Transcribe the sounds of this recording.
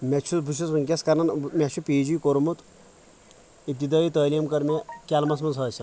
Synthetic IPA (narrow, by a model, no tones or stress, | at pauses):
mʲet͡ʃʰubʱuʃɐsmɐnkʲɐskɐɾnɐnmʲɐt͡ʃʰupiːd͡ʒujkoɾmut̪ | ip̚t̪id̪aːit̪ɐːliːmkɐɾmʲekʲalmɐsmɐnzɐːsʲɐ